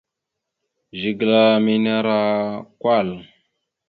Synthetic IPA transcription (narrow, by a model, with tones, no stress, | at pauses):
ʒi˨ɡla˨mi˦na˦ɾa˦kwa˦˨l